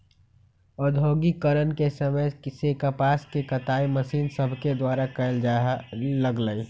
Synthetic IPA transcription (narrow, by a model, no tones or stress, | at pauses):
ɔd̪ʱoːɡikəɾənkesəməjsekəpaːskekət̪aːiməʃiːnsəbʱked̪waːɾakəld͡ʒaləɡləi